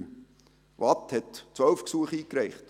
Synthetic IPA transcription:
vɑthɛtt͡sʋœlfksuəχiːkɾæɪχt

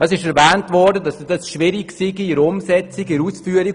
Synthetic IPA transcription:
ɑsɪʃɛɾvɛːntvɔɾdədɑsd̥ɑsʃvɪɾikksiɡiɪɾʊmzɛt͡sikɪɾuːsfyːəɾi

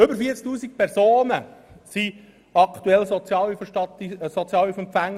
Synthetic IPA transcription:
ʏbəɾfiət͡skt̪uːsik̚pʰɛɾsoːnə | si | ɑkʰt̪uɛlsɔt͡sjɑːlyfəʃɑtsɔt͡sjɑːlyfɛmpfæŋː

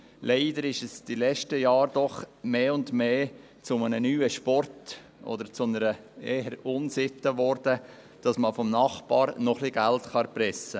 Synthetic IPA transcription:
leɪdəɾɪʃɛsd̥ilɛʃtəjɑːɾd̥ɔχmeːʊndmeː | t͡sʊmənənyːəʃpɔrt | ɔ̰d̪əɾt͡sʊnəɾəeːəɾʊnsɪt̪ːəʋɔɾdə | d̥ɑsməfɔmnɑχbɑːɾnɔχliɡæltχɑɾpɾɛsːə

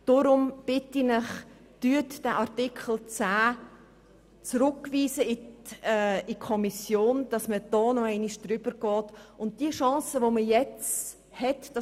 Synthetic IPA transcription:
d̥ɔɾʊmb̥ɪtinɪχ | d̥yətd̥ɛʔɑɾtɪkʰχəl̩t͡sæː | t͡sɾʊkviːsəɪ | ɪkʰɔmisjoːnd̥ɑsməd̥ɔːnɔɛɪniʃd̥ɾʏbəɾɡ̥ɔːtʊnt̚d̥iəʃɑ̃ːsəʋoməjɛt͡s | hɛtd̥ɑ

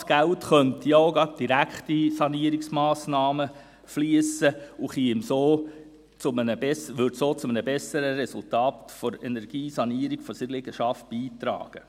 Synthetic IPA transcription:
sɡ̥æltχœnt̪ioʊɡɑt̚d̥iɾækχtisɑniəɾiksmɑːsnɑːmə | fliəsəʊχiɪmsoː | t͡sʊmənəbɛsʋʏɾdsoːt͡sʊmənəbɛsəɾəɾɛsʊltɑːt̪fɔɾɛnɛɾɡ̥iːsɑniəɾiɡ̥fɔsɪlɪɡ̥əʃɑft̚b̥iːt̪ɾɑ̰ːɡ̥ə

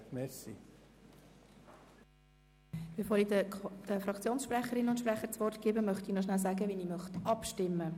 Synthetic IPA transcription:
mɛsi | b̥efoːɾidd̥əfɾɑkt͡sjoːnsʃpɾɛχəɾɪnʊntʃprɛχəɾt͡sʋɔrtkeːbəmœχtinoʃnælsaɡəʋiniːmœχtɑpʃtɪmːə

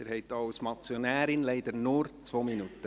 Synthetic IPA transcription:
əɾhɛɪtɑwsmɑt͡sjonæːɾɪnlɛɪdəɾnuːɾt͡sʋoːminutə

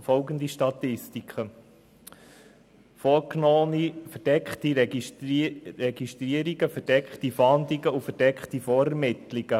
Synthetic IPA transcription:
fɔlɡənd̪iʃtɑt̪ɪstikχə | fɔːɾknɔːnifəɾd̥ɛkχt̪i | ɾɛɡiʃtɾiəɾiɡəfəɾd̥ɛkχtifɑnd̪liɡəufəɾd̥ɛkχtifɔːɾɛɾmɪt̪liɡ̥ə

